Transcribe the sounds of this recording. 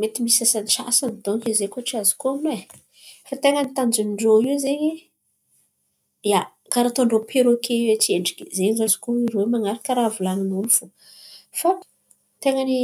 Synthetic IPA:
met̪imisasanisa̰sand̪oŋkizekoʈ͡ʂiazi̥koamne | fat̪eŋənit̪and͡ʒunɳɖ͡ʐoiwzeɲi | ja | kaɾat̪oɳɖ͡ʐopʰeɾokʰeiwet͡seɳɖ͡ʐikʲizeɲizazi̥koirowemaŋaɾakəɾavulaninulufu̥ | fa | t̪eŋani

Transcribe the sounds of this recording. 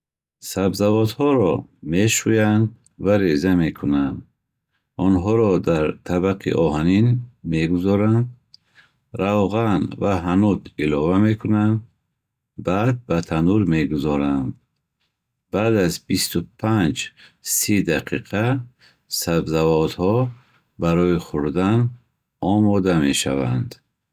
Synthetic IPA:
sabzavɔt̪hɔɾɔmeʃujand̪ | vaɾezame̞kʰunand̪ | ɔnɦɔɾɔd̪aɾt̪ʰabaqʰḭʔɔɦaninme̞ɡuzɔɾand̪ | ɾawʁanvaɦanud̪ilɔvame̞kʰunand̪ | bad̪̚bat̪ʰanuɾmeɡuzɔɾand̪ | b̥ad̪azbist̪upʰand͡ʒsid̪aqʰiqʰa | sabzavɔt̪hɔ | baɾɔiχuɾd̪an | ɔmɔd̪ame̞ʃa̰va̰nd̪

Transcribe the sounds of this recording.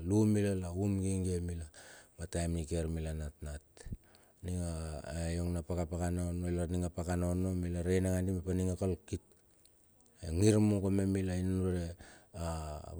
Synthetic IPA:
lumilalaumɡiŋɡemilamatajmnike̞ɾmilanatnat | niŋajoŋnapakapakanaonoilaniŋapakanono̞milaɾejnaŋandimepaniŋakolkit̚ | eŋiɾmukomemilainanɾea

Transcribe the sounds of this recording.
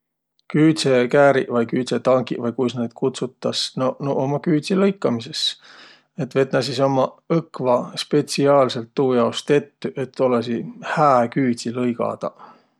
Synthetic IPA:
kyːt̪sekæːɾḭʔvɑjkyːt̪ʲset̪ɑŋɡḭvɑjkujsned̪̥kʰut̪sut̪ːˑɑsnonoʔomɑkyːt̪ʲsilɤjkːˑɑmise̞s | e̞t̪ːve̞t̪nɑs̬iso̞mɑɤkvɑspe̞siɑːlse̞lt̪ːuːjɑost̪e̞t̪ːyʔe̞t̪ːo̞lesihæːkyːd̪ʲilɤjɡɑ̰d̪̥ɑ̰

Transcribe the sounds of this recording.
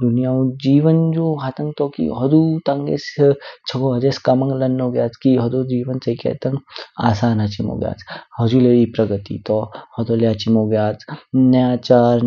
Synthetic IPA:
d̪unijaːũd͡ʒiːʋənd͡ʒoːɦɐt̪ɐŋɡt̪ɔkḭɦɐd̪ut̪ɐŋɡḛːst͡ʃʰɐɡoːɦɐd͡ʒeːskɐmɐŋɡlɐnːoːɡjaːt͡skiɦɐd̪oːd͡ʒiːʋɐnt͡sɐikḛːt̪ɐŋɡaːsaːnɦɐt͡ʃimo̰ɡja̰ːt͡shɐd͡ʒuleipɾɐɡət̪ḭt̪ɔhɐd̪oleat͡ʃimoɡjaːt͡snɐjaːt͡ʃaːɾ

